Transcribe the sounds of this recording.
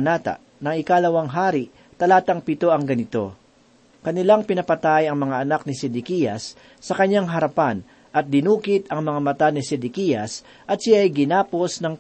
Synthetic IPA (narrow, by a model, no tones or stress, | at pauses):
naːt̪a̰ | nɐŋɪkalɐwɐŋɦaːɾɪʔ | t̪ɐlaːt̪ɐŋpɪt̪o̞ɐŋɡɐnɪt̪o̞̰ | kɐnɪlaŋpɪnɐpɐt̪ajɐŋmɐŋaʔɐnak̚nɪsɛd̪ɪkijɐsː | ɐkɐɲːaŋɦɐɾɐpan | ʔɐt̪̚d̪ɪnuːkɪt̪ɐŋmɐŋamɐt̪anɪsɛd̪ɪkijɐs | ʔɐt̪̚sajɡɪnaːposnɐŋ